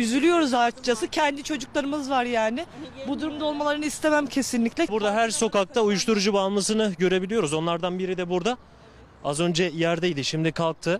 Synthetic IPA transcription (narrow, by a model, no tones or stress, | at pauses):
jyzylʲyjo̞ɾuzaɾt͡ʃt͡ʃasɯcʰɛnd̪it͡ʃʰo̞d͡ʒuklˠaɾɯmɯzvaɾjaːnɪbud̪uɾumd̪ao̞lˠmalˠaɾɯnɯist̪ʰe̞mæmcʰe̞sinlʲiclʲɛbuɾd̪aɦæɾso̞kak̚t̪ʰaujuʃt̪ʰuɾud͡ʒubaːlˠmˠɯs̬ɯnɯɟø̞ɾe̞bilʲijo̞ɾuzo̞nlˠaɾd̪anbiɾid̪ɛbuɾd̪a | azø̞nd͡ʒɛjæɾd̪ɛjd̪iʃimd̪ikʰalˠk̚t̪ʰɯ